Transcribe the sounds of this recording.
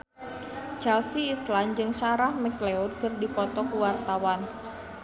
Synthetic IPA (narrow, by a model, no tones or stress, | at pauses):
t͡ʃɛlsiːsland͡ʒɨŋsaɾahmɛkleud̚kərdipɔt̪ɔkuwart̪awan